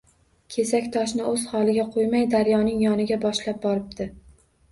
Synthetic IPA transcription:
kʲʰe̞sakʲt̪ʰɒʃnɪɵz̥hɒlˠɪɡʲaqʰojmajd̪aɾjɒnɪŋjɒnɪɡʲabɒʃlap̚bɒɾɪp̚d̪ɪ

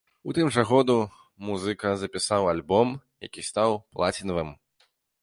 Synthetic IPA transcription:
ut̪ɨmʐɐɣɔd̪u | muzɨkɐzɐpʲisawalʲbɔm | ja̰kʲist̪awplˠat͡sʲinɐvɨm

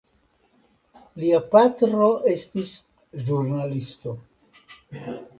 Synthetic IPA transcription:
liapatɾo̞ʔe̞stis | ʒuɾnalisto̞

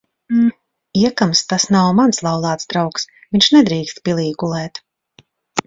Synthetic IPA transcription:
iɛkamst̪asnawmanslˠawlˠɑːt̪sd̪ɾawks | vʲiɲʲʃnɛd̪ɾiːkst̪̚pʲilˠiːɡulˠɛːt̪

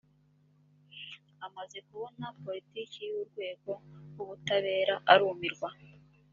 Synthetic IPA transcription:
amaze̞kuβo̞napo̞litiːciuɾɡwe̞ːɡo̞ɡuβutaβe̞ːɾaʔaɾuːmiɾɡwa

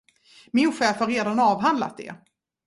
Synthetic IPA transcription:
mɪnɧɛːfhaɾːeːd̪anɑːvɦand̪la̰t̪̚d̪ɛ̰

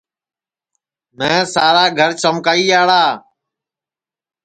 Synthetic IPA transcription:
mɛ̃ːsaːɾaːɡʱəɾt͡ʃəmkaːiːaːɭaː

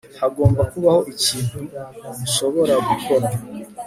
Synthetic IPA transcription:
haɡo̞ːmbakuβaho̞ʔiciːn̥humuʃo̞βo̞ɾaɡukʰo̞ɾa

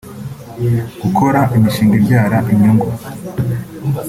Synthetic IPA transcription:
ɡ̥ukʰo̞ɾaʔimiʃiːŋɡeɾɟaːɾaʔiɲiŋɡu

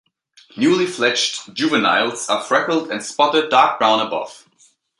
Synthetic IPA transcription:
njuliflɛt͡ʃʒ̥ʉvɨnaɪlˠsəfɹɛkl̩ˠdɨ̃nspɔɾəd̚aɹk̚b̥ɹãʊ̃nəbʌ̰v̥

